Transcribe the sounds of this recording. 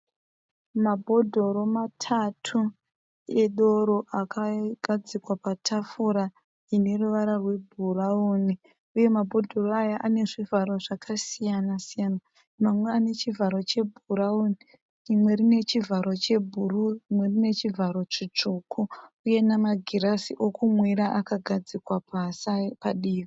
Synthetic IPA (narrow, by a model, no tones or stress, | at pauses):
mabʱo̞dʱo̞ɾo̞matʰatʰu | eɗo̞ɾo̞ʔakʰaɡʱad͡zikwapatʰafuɾa | ine̞ruʋaɾarwe̞bʱurauni | uje̞mabʱo̞dʱo̞roajaʔane̞ʐivʱaɾo̞ʐakʰasijanasijana | mamwe̞ane̞t͡ʃivʱaɾo̞t͡ʃe̞bʱuɾauni | rimwe̞rine̞t͡ʃivʱaɾo̞t͡ʃe̞bʱururimwe̞rine̞t͡ʃivʱaɾo̞t͡ʂit͡ʂukʰuuje̞namaɡʱiɾasiʔo̞kumwiɾaʔakaɡʱad͡zikwapasapaɗiːri